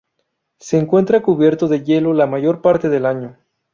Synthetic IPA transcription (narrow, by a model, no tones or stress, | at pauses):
seːŋkwe̞nt̪ɾakuβje̞ɾt̪oðe̞ʝe̞lo̞lamaʝo̞ɾpaɾt̪e̞ðe̞laɲo̞